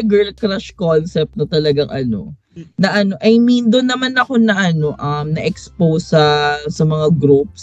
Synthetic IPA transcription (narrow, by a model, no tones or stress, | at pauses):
ɡɛɹlkɾaʃkonsɛp̚t̪nɐt̪ɐlɐɡaŋʔɐ̰no̞̰ | nɐʔɐno̞ʔɐjmind̪onɐmanɐko̞nɐʔɐno̞ʔɐmnɐʔɛkspowsɐsɐmɐŋaɡɾup̚s